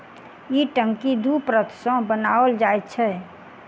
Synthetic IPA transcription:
iʈə̃ŋkid̪upɾət̪ʰsɔ̃bənaʋəld͡ʒaet̪t͡ʃʰɛ

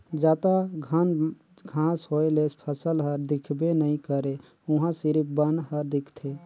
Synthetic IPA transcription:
d͡ʒaːt̪aɡʱan | ɡʱãːsɦoːelespʰəsəlɦəɾd̪ɪkʰbenəĩkəɾe | ʊɦãsɪɾpbənɦəɾd̪ɪkʰt̪ʰe

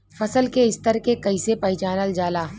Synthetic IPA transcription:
fɐsəlkeɪst̪əɾkekɐisepɐɪt͡ʃaːnəld͡ʒaːlaː

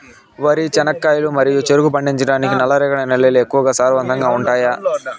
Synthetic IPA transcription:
ʋɐɾit͡ʃɛnɐkːaːjɐlumɐɾijut͡ʃeɾuɡup̬ɐɳɖiɲt͡ʃɐɽaːnikinɐlːɐɾɛːkɐɳɐenɛljeːlue̞kːuʋɐɡaːsaːɾʋɐnt̪ɐŋɡaːuɳʈaːjaː

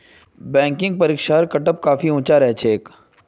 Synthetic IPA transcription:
bɛ̃ːŋkɪ̃ŋɡ̚pɐɾiːkʃaːɾkɐʈəp̚kaːfiũːt͡ʃaɾɛɦt͡ʃʰeːk

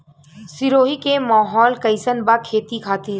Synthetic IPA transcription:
sɪɾoːɦikemaːɦɔːlkɐɪsənbakʰeːt̪ikʰaːt̪i

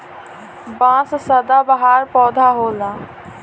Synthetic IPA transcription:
bãːssɐd̪aːbəɦaːɾpɔːd̪ʱaːɦoːlaː

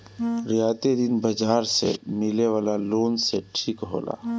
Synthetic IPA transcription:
ɾɪjaːt̪ed̪ɪnbəd͡ʒaːɾsḛmɪleʋaːlaloːnseʈʰiːkɦo̰ːla̰ː

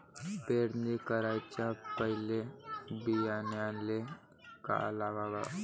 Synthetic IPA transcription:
beːɽnikəɾajt͡ʃapəɦɪlebijanjanle | ka̰əlaʋaba

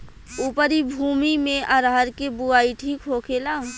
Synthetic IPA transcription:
uːpəɾibʱuːmimẽʔəɾɦəɾkebuaːiʈʰiːkɦokʰela

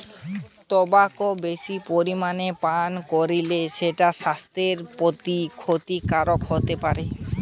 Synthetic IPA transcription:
t̪ɔbakobeʃipoɾimanepankoɾileʃeʈaʃast̪ɾeɾpot̪ikʰot̪ikaɾokɦot̪epaɾe

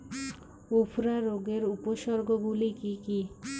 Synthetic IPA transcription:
upʰɾaɾoɡeɾupoʃɔɾɡʱoɡulikiki

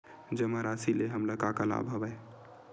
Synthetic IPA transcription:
d͡ʒəmaɾasileɦəmləkakəla̰bʱəbəj

